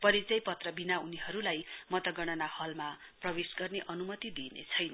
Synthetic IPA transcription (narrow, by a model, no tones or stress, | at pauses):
pʌɾit͡sʌjpʌt̪rʌbinauniɦʌɾulajmʌt̪ʌɡʌɽ̃ʌnahʌlma | prʌwesɡʌrneʔʌnumʌt̪id̪inḛt͡sʰʌjnʌ